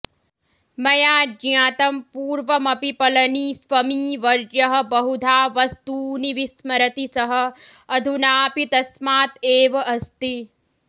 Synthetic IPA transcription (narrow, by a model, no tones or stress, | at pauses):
mɐjaːd͡ʒjãːt̪ɐmpuːɾʋɐmɐpipɐlɐniːsʋɐmiːʋɐɾd͡ʒjɐɦɐ̆bɐɦud̪ʱaːʋɐst̪uːniʋismɐɾɐt̪isɐɦɐ̆ɐd̪ʱunaːpit̪ɐsmaːt̪eːʋɐɐst̪i